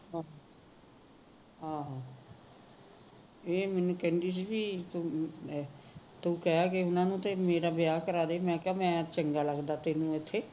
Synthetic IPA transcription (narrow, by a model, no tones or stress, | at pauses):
ɦãːɦ | ɦãːɦãː | eːmɛːnũːkɛ̃nd̪iːs̬iːbiːt̪u | t̪uːkɛaːkeʊnãːnũːt̪eːmeːɾaːbɪjaːkəɾaːd̪eːmɛ̃ːkaːmɛ̃ːt͡ʃəŋɡaːləɡd̪aːt̪eːnũːɪt̪ʰːeː